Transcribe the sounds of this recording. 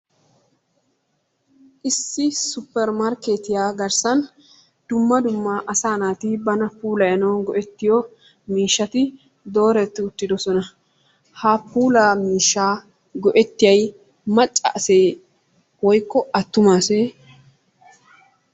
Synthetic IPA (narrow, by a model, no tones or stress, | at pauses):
ʔɪsːɪsʊpːɛɾmɐɾke̞ːt̪ɪjaːɡɐɾsɐn | d̪̥ʊmːɐd̪ʊmːaʔɐsaːnaːt̪iːbɐnɐpuːlɐjɐnɐwnɡɔʔɛt̪ːɪjɔ | miːʃːɐt̪ɪ | d̪o̞ːɾɛt̪ːɪʊt̪ːɪd̪ɔsɔnɐ | hapuːlaːmiːʃːaː | ɡɔʔɛt̪ːɪjɐj | mɐt͡ʃʼːɐ̰ʔːse̞ː | wɔjkːɔɐt̪ːʊmaːseː